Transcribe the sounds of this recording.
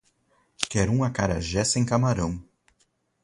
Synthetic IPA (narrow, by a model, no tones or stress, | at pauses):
kɛɾũmɐkaɾɐ̰ʒɛsẽj̃kamaɾɐ̃w̃